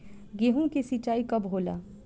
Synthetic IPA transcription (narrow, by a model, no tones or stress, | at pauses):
ɡeːɦõkesiːt͡ʃaːikɐbɦoːla̰ː